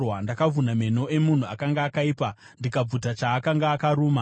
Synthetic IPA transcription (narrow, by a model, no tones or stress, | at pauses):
wandakavuname̞no̞ʔe̞mun̤uakaŋɡaːkaiːpa | ndikab͡vutat͡ʃaːkaŋɡaːkaɾuːma